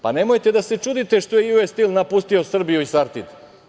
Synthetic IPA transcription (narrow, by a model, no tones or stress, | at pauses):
pane̞mo̞jt̪e̞d̪ase̞t͡ʃud̪it̪e̞ʃt̪o̞jejuest̪ilnapust̪io̞sr̩bijuisaɾt̪id̪